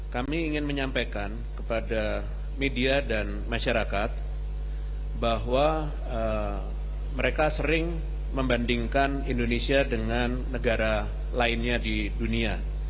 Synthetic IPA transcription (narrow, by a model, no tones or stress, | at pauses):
kamiːŋɪnməɲampajkan | kəpada | mediadan | maʃaɾakat̪̚ | baɦwa | ə | məɾekasəɾɪŋ | məmbandiŋkanindonesiadəŋanːəɡaɾa | laɪnɲadi | dunia